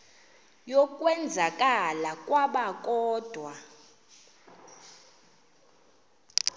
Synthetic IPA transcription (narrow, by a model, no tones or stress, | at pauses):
jɔkʼwɛnd͡zʱakʼalakʼwaɓakʼɔːd̥ʱwa